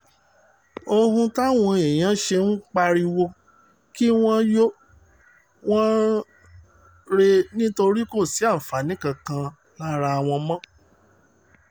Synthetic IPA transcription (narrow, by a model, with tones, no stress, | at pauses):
o˧hũ˧ta˦˨w̃ɔ̃˧e˨j̃ã˨˦ʃe˧n̩˦k͡pa˧ɾi˧wo˧ | ki˦w̃ɔ̃˦jo˦ | w̃ɔ̃˦ | ɾe˧nĩ˦to˧ɾi˦ko˦˨si˨˦a˦˨fa˨˦nĩ˨˦kã˧kã˧ | la˦ɾa˧a˧˨w̃ɔ̃˧mã˦